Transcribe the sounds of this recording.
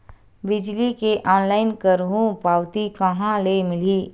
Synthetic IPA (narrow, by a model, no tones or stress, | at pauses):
bɪd͡ʒlikeʔɔːnlaːɪnkəɾɦũpaːwt̪ikɐɦãlemɪliː